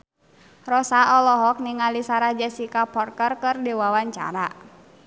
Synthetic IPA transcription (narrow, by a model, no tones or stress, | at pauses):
rɔsaɔlɔɦɔk̚niŋalisaɾad͡ʒasikapɔrkərkɨrdiwawaɲt͡ʃa̰ɾa